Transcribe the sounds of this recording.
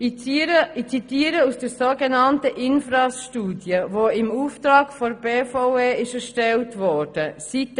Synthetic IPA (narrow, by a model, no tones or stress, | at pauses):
ɾəit͡sitiːəɾəusd̥əɾsoːɡɛnɑntəʔɪnfɾɑsʃtuːdjəvoːɪmuft̪ɾɑːkfɔɾb̥eːfoʊeːɪʃɛɾʃtɛltvɔrd̥əsit